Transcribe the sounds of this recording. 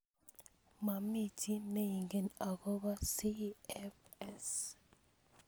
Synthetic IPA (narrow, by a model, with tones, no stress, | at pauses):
ma˨mi˦tʰi˦me˦ji˨ŋɡe˨na˨kɔ˦ba˦si˦ɛ˦fɛ˦˨s